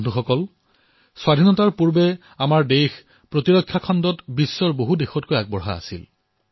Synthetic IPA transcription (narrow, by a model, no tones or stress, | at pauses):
duxɔkɔl | swadʱinɔtaɹpuɹbɛ | amaɹdejx | pɹotiɹɔkʰːjakʰɔndɔtbisːɔɹboɦudexɔt̚kojaɡ̚bɔɹɦa̰a̰sḭl